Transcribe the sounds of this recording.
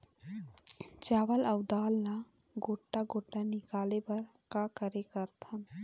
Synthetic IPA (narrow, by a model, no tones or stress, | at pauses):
t͡ʃaːʋəlɐwd̪aːlːa | ɡoːʈːaɡoːʈːanikaːlepɐɾ | kakəɾekəɾt̪ʰən